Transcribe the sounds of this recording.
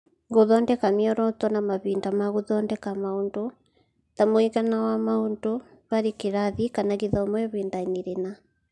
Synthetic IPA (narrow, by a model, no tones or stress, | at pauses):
ɡoðɔndɛkamiɔɾɔtɔnamaβindamaɣoðɔndɛkamaondo | tamoiɣanawamaundoβaɾekeɾaðikanaɣiðɔmwɛβindaɲiɾena